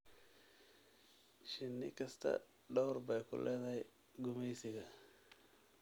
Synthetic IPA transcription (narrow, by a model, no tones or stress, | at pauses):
ʃinːḭkasta̰ | ɗawuɾbajkṵlʔaɣaj | ɡumasiɡa